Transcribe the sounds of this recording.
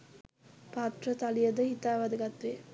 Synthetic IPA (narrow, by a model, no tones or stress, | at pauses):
paːt̪rət̪ɐlijɐd̪əhit̪aːʋɐd̪ɐɡɐt̪ʋeː